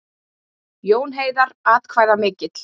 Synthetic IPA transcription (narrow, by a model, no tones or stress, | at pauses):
joːwnɦeːjðaɾaːt̪kʰvaːjðamɪːcɪt̪l̥